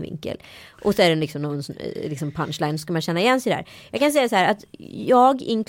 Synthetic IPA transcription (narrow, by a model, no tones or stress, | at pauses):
vɪ̰ŋkə̰lʔɔsɔæɖɛnlɪksɔmnɔnlɪksɔmpʰanʃlajnsɔskamanɕɛnːaɪjɛnːsɛjd̪æ̰ːɾjɑ̰ɡkʰans̬ɛjːasahæːɾat̪jɑːɡɪ̰nk